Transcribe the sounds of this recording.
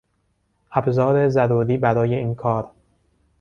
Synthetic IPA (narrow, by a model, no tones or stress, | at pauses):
ʔæbzɒːɾe̞zæɾuːɾiːbæɾɒːje̞iːnkʰɒːɾ